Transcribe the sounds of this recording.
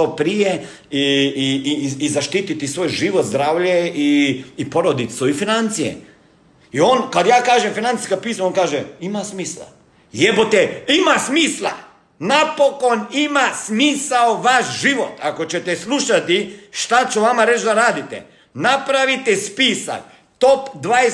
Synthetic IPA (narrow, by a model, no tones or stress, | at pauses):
opɾije | iiiːzaʃt̪iːt̪it̪isʋoːjʒiʋot̪zd̪ɾaːʋʎeiːpo̞ɾod̪it̪soifinant̪sijḛ | ioːnkad̪jaːkaːʒemfinant̪i̥skad̪̚piːsaonkaːʒeimasmiːslˠa̰ | jebot̪eimasmiːslˠa̰ | napoko̞nimasmiːsaoʋaʃʒiʋot̪ako̞t͡ɕet̪eslˠuʃat̪iʃt̪at͡ʃuʋamaɾet͡ʃd̪aɾaːd̪it̪ḛ | napɾaʋit̪ɛspiːsa̰k | t̪opd̪ʋae